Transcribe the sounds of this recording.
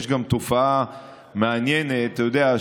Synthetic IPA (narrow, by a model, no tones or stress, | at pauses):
ʃɡamt̪ofaa | meanjenetat̪ajod̪ea